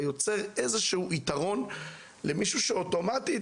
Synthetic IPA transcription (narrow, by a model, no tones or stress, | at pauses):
jo̞t͡se̞ʁezeʃehuʔitaʁo̞n | lemiʃuʃeoto̞mati